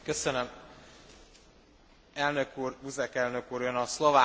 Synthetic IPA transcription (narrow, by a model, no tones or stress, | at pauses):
køsønøm | ɛlnøkuːruzɛkɛlnø̞kuːɾjønɒslɒvaː